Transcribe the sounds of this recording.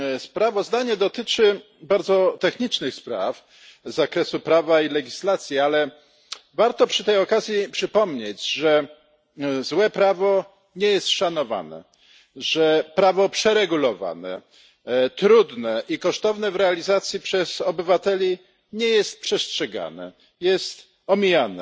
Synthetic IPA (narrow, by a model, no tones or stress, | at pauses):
spɾavɔzd̪aɲɛd̪ɔt̪ɘt͡ʂɘ | baɾd̪zɔt̪ɛxɲit͡ʂnɘxspɾa̰f | zakɾɛsupɾavailɛɡʲislat̪sʲjialɛ | vaɾt̪ɔpʂɘt̪ɛjɔkazʲjipʂɘpɔmɲed͡ʑʐɛ | zwɛpɾavɔ | ɲɛjɛst̪ʂanɔva̰nɛ̰ | ʐɛpɾavɔpʂɛɾɛɡulɔva̰nɛ̰ | t̪ɾud̪nɛʔikɔʂt̪ɔvnɛvɾɛalʲizat̪sʲjipʂɛz̥ɔbɘvat̪ɛlʲi | ɲɛjɛst̪̚pʂɛstʂɛɡa̰nɛ̰ | jɛst̪ | ɔmʲijanɛ